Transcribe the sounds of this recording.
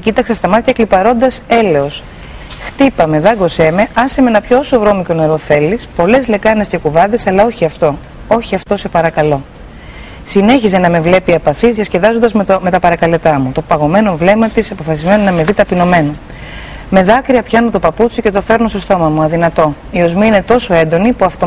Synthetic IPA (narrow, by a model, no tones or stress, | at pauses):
cit̪ɐksɐst̪ɐmɐt̪çɐklipɐɾo̞nd̪ɐse̞le̞o̞s | xt̪ipɐme̞ðɐɡo̞se̞me̞ʔɐsemenɐpçoosovɾo̞miko̞ne̞ɾo̞θe̞lispo̞le̞zle̞kɐne̞sce̞kuvɐðe̞sɐlɐo̞çiɐft̪o̞ | o̞çiɐft̪o̞se̞pɐɾɐkɐlo̞ | sine̞çize̞nɐme̞vle̞piɐpɐθizðjɐsce̞ðɐzond̪ɐzme̞t̪ɐpɐɾɐkɐle̞t̪ɐmut̪o̞pɐɣo̞me̞no̞vle̞mɐt̪isɐpo̞fɐsizme̞nonɐme̞ðit̪ɐpino̞me̞nɐ | me̞ðɐkɾiɐpçɐnot̪o̞pɐput͡sice̞t̪o̞fe̞ɾnostost̪o̞mɐmuɐðinɐt̪o̞ | io̞zmiine̞t̪o̞so̞e̞nd̪o̞nipuɐft̪o